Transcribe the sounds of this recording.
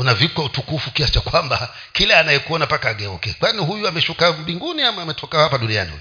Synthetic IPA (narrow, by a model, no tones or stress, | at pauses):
unavikwautukufukiasi̥t͡ʃakwamba | kilaːnajɛkuɔnapakaːɠɛɔkɛkwaniɦujuamɛʃukamɓiŋɡuniamaːmɛtʰɔkahapaɗunia̰nḭhṵju